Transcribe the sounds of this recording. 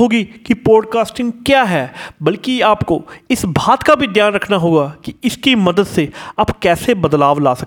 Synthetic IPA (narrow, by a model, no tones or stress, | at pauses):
oːɡikipɔːɖkaːsʈɪ̃ŋɡkjaːɦɛːbɐlkiaːpkoɪsbʱaːt̪kabʱid̪jaːnɾɐkʰnaɦoːɡakiɪskimɐd̪əd̪seapkɛːsebɐd̪laːʋla̰ːsɐ